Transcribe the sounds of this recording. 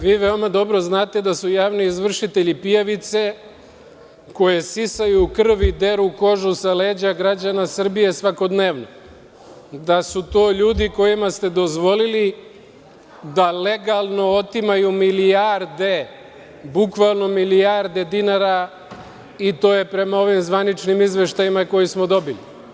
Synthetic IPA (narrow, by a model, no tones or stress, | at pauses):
ʋiːʋeo̞mad̪o̞bɾo̞znaːt̪e̞d̪asujaːʋniːzʋr̩ʃit̪e̞ʎipijaʋit̪se̞ | ko̞jesisajuːkr̩ʋid̪e̞ɾuko̞ʒusaleːd͡ʑaɡɾad͡ʑanasr̩bije̞sʋako̞d̪ne̞ːʋno | d̪asut̪o̞ːʎuːd̪iko̞jimast̪e̞d̪o̞zʋo̞lili | d̪ale̞ɡalˠno̞ot̪imajumilijaɾd̪e̞ | bukʋalˠno̞milijaɾd̪e̞d̪inaɾa | it̪o̞ːje̞pɾe̞mao̞ʋimzʋanit͡ʃnimizʋe̞ʃt̪ajimako̞jismo̞d̪o̞bili